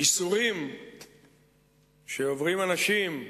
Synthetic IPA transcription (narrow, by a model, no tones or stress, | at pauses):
isuʁim | ʃeovʁimanaʃim